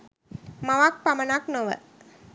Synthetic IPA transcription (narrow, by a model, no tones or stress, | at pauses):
maʋak̚pamɐnaknoʋə̰